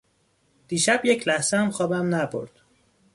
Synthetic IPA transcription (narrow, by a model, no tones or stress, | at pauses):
d̪̥iːʃæbjecʰlæhzeæmxɒːbæmnæbo̰ɾd̪̥